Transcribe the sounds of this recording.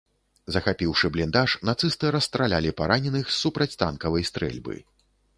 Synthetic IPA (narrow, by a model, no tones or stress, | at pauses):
zɐxapʲiwʂɨblʲind̪aʂnat̪sɨst̪ɨɾɐst̪ɾalʲa̰lʲipaɾanʲɛnɨxsupɾɐt͡sʲt̪a̰nkɐvɐjst̪ɾɛ̰lʲbɨ̰